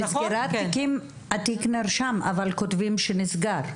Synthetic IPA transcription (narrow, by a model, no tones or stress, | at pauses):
nisɡeɾat̪ːikim | at̪iknaɾʃama̰valkot̪vimʃenisɡaɾ